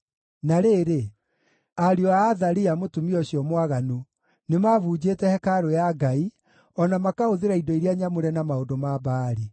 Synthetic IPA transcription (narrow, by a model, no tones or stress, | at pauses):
naɾeːɾe | aɾiɔaːðaɾiamotumiɔɕiɔmwaɣanu | nemavuːd͡ʑeːtɛhɛkaɾojaɡai | ɔnamakahoðeɾaidɔiɾiaɲamoɾɛnamaodomabaːɾi